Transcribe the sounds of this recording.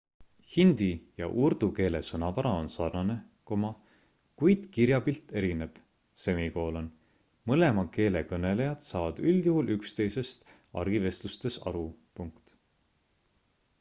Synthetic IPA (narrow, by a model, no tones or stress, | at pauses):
hind̪̥ijɑ̰ʔuɾd̪̥uke̞ːle̞sɤnɑvɑɾɑo̞nsɑrnɑne̞ | ko̞mɑ | kujd̪̥kiɾjɑbilt̪ːˑe̞ɾine̞b̥ | se̞miko̞ːlo̞n | mɤle̞mɑke̞ːle̞kɤne̞le̞jɑd̪̥sɑːvɑd̪̥yljuhulykst̪e̞jse̞st̪ | ɑ̰ɾɡ̥ive̞st̪lust̪e̞sɑ̰ɾupuŋkt̪